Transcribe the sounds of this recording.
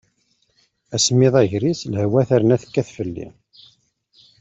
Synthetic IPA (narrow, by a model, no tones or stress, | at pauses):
æsmiðˤæʝɾislhwæθæɾənæθə̥kːæθfəlːḭ